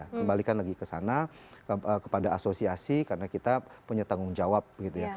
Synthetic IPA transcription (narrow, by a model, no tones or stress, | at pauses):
akəmbalikanlaɡikəsana | əkə̥padaːsosiasikarənakit̪apuɲat̪aŋʊŋd͡ʒawap̚bəɡit̪uja